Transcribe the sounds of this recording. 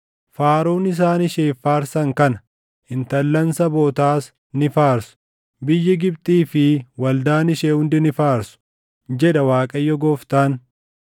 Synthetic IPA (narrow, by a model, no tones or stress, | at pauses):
faːɾoːnɪs̬aːnɪʃeːfaːɾsɐŋkɐnɐ̥ | hɪnt̪ɐlːɐnsɐboːt̪aːs | nɪfaːɾsʊ̥ | bɪjːɪɡɪb̚t̪ʼiːfɪwɐld̪aːnɪʃeːhʊnd̪ɪnɪfaːɾsʊ̥ | d͡ʒɛᶑɐwaːkʼɐjːɔɡɔːft̪aːn